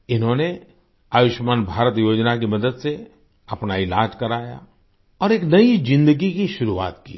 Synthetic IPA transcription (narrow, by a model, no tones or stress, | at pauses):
ɪnɦõne | aːjʊʃmaːnbʱaːɾət̪joːd͡ʒnakimɐd̪əd̪se | ɐpnaɪlaːd͡ʒkɐɾaːja̰ | ɔːɾeːknɐizɪ̃nd̪əɡikiʃʊɾuʋa̰ːt̪ki